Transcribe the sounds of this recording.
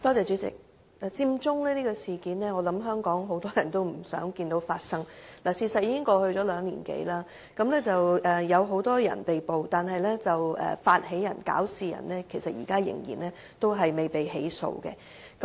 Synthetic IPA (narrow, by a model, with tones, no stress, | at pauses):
t̪ɔː˥t͡sɛː˨˧t͡ʃyː˨˥t͡sɪ̰˨k̚ | laː˨˩t͡siː˧˥mt͡sʊ˥ŋlɛː˥li˥ɡɔː˧siː˨kiː˨˥nlɛː˥ŋɔ˨˧lɐ˨˥mɦœː˥ŋkɔː˨˥ŋɦo˨˥wt̪ɔː˥jɐ˨˩nt̪o˥wm̩˨˩sœ̰ː˨˥ŋkiː˧nt̪o˨˥wfaː˧t̚sɐ˥ŋlaː˨˩siː˨˩sɐ˨t̚jiː˧kɪ˥ŋkɔː˧hɵ˧ɥt͡ʃɔː˨˥lœː˨˧ŋliː˨˩nkḛ˨˥jlaː˥ | kɐ˨˥mlɛː˥t͡sɐ˨wʔɛː˨˩jɐ˨˧wɦo˨˥wt̪ɔː˥jɐ̰˨˩npe˨jpo˨wt̪aː˨nɦɐ˨jlɛː˥t͡sɐ˨wɛ̰ː˨˩faː˧t̚hɦe˨˥jɐ˨˩nka̰ː˨˥wsiː˨jɐ̰˨˩nlɛː˥kʰe˨˩jsɐ˨t̚jḭː˨˩kaː˥jɪ̰˨˩ŋjḭː˨˩nlɛː˥ | t̪o˥wɦɐ˨jme˨jpe˨jɦe˨˥jso̰˧wkɛ̰˧ | kɐ˨˦